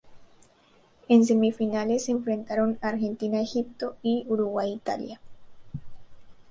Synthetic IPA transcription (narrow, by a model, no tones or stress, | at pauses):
e̞ns̬e̞mifinale̞sːeːɱfɾe̞nt̪aɾo̞naɾxe̞nt̪inaexip̚t̪o̞iuɾuɣwajit̪a̰lja